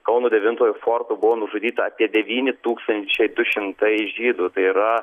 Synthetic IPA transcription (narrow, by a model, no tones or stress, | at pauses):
kɐʊnuːd̪ʲɛʋʲɪnt̪oːjʊfoːrt̪uːbʊʋoːnʊʒʊdʲiːt̪ɐɐpʲiɛd̪ʲɛʋʲiːnʲɪt̪uːkst̪ɐnʲt̪ʲt͡ʃʲɛɪd̪ʊʃʲɪmt̪ɐɪʒʲiːd̪ʊːt̪ɐɪiɾɐ